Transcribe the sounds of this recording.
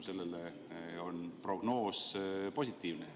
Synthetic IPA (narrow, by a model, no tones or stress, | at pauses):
se̞lːele | o̞npro̞ɡ̥no̞ːspo̞sʲit̪ːˑiːvne